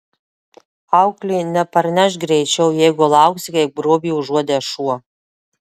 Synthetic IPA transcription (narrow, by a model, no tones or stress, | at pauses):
aʊklʲiːnʲɛpɐɾnʲɛʃɡɾʲɛjt͡ʃʲɛwjɛjɡɔlˠɑwksʲɪkɐɪbɾoːbʲiːuʒuɔd̪eʃuːɔ